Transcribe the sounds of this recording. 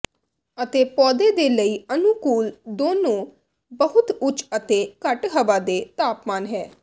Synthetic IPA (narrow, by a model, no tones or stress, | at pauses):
ət̪eːpɔːd̪eːd̪eːləiːənukuːld̪oːnõː | bəɦʊt̪ʊt͡ʃət̪eːkəʈɦəʋaːd̪eːt̪aːpmaːnɦɛː